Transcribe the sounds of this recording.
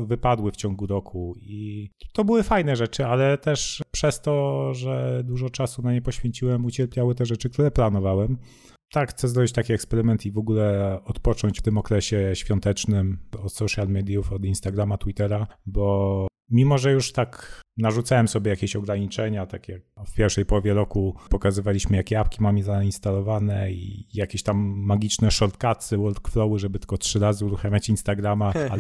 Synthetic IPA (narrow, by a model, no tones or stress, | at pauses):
vɘpad̪wɘft͡ɕɔŋɡuɾɔkʰuit̪ɔbɘwɘfajnɛʐɛt͡ʂɘalɛt̪ɛʂpʂɛst̪ɔʐɛd̪uʐɔt͡ʂasunaɲɛpɔɕfʲjeɲt͡ɕiwɛmut͡ɕɛɾpʲjawɘt̪ɛʐɛt͡ʂɘk̚t̪uɾɛplan̪ɔvawɛm | t̪akxt̪sɛzɾɔbʲit͡ɕt̪akʲiɛkspɛɾɘmɛnt̪ivɔɡulɛɔt̪pɔt͡ʂɔɲt͡ɕft̪ɘmɔkɾɛɕɛɕfʲjɔnt̪ɛt͡ʂnɘmɔt̪sɔʂjalmɛd̪jufɔd̪inst̪aɡɾamat̪wit̪ɛɾabɔ | mʲimɔʐɛjuʂt̪aknaʐut̪sawɛmsɔbʲjɛjakʲeɕɔɡɾaɲit͡ʂɛɲat̪akʲjak̚fpʲjɛɾfʂɛjpɔwɔvʲjɛɾɔkupɔkazɘvalʲiɕmɘjakʲɛapkʲimamʲizainst̪alɔvanɛḭjakʲeɕt̪amːaɡʲit͡ʂnɛʂɔɾt̪kat̪sɘwɔld̪̚kflɔwɘʐɛbɘt̪kɔtʂɘɾazɘuɾuxamʲjat͡ɕinst̪aɡɾamaa